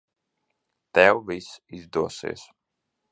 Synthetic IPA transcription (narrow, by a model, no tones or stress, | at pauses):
t̪ɛwvisizd̪uɔsḭːs